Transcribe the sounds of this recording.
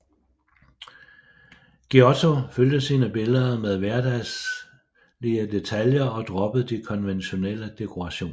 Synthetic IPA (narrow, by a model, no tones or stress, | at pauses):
ɡ̥iɒt͡sʰo̝føld̥əsiːnəb̥e̝lðˠɐmeð̞ˠʋæɐd̥æs | liəd̥e̝t͡sʰæljɐɒ̽d̥ʁɒ̽b̥əð̩ˠd̥ikʰɒ̽nʋenɕo̝nel̰əd̥e̝kʰo̝ʁɑ̈ɕo̝̰ːn